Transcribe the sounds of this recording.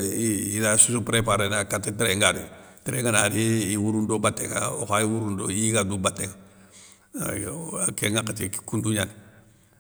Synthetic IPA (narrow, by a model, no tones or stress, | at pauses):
idasusupɾepaɾenakatːetɾeŋɡaɾḭtɾeŋɡanaɾiiwuɾundobatːḛŋa̰o̰xaiwuɾundoiɡadubatːeŋa | keŋakatikkunduɲan